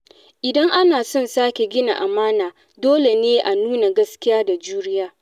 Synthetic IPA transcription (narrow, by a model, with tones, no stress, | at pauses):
ʔɪ˨dɐ˦ŋʔa˦naː˨sɔ˦nsaː˦kʲe˨ɡʲɪ˦na˨ʔa˨maː˦naː˨ | doː˦le˨neː˦ʔa˨nuː˦na˨ɡɐ˦skʲɪ˦jaː˦da˨d͡ʒuː˦ɽɪ˦jaː˦